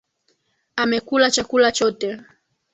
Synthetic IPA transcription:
amɛkulat͡ʃakulat͡ʃɔtɛ

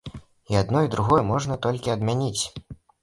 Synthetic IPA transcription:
iad̪nɔid̪ɾuɣɔjɛmɔʐn̪ɐt̪ɔlʲkʲiɐd̪mʲanʲit͡sʲ

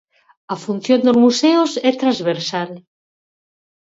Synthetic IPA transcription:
ɐfun̟θjond̪ozmuseʊsɛt̪ɾazβeɾsal

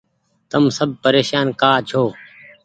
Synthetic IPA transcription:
t̪əmsəb̚ʱpəɾeːʃaːnkaːt͡ʃʰoː

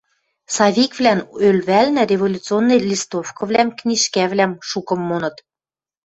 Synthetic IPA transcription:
sɑβʲikvlænølβælnæ̆ɾʲevolʲut͡sɨonːɤjlʲist̪ofkɤ̆βlæmknʲiʃkævlæmʃukɤ̆mːonɤ̆t̪

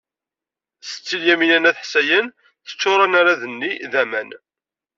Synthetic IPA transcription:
sə̥t͡sːiljæminænæθħsæjən | θə̥t͡ʃːʊɾˤɑnaɾaðənːiðæmæn

